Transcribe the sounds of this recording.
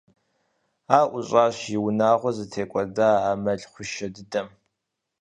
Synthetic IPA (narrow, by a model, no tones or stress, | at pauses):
aːʔʷʊɕʼaːɕjɪwʊnaːʁʷɔzɨtʰeːkʷʼɔdaːaːmɐɬχʷʊʃɐdɨdɐm